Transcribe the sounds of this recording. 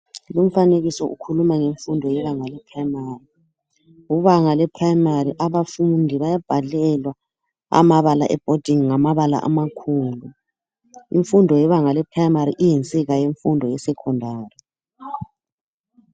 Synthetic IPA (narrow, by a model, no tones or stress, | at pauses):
lum̩faneɣisɔʔṵkʰulumaŋeɱfundʱɔjɛβaŋalɛpʰraimari | uβaŋalɛpʰrajimariʔaβafundʱiβajab̥ʱalɛlwa | a̰maβala̰ʔɛb̥ʱod̥ʱiŋŋamaβala̰ʔa̰makʰuːlu | ḭɱfundʱɔjɛβaŋalɛpʰrajimaɾiʔijint͡sʼiɣajeɱfundʱɔjɛsɛkʰɔndʱaːrɛ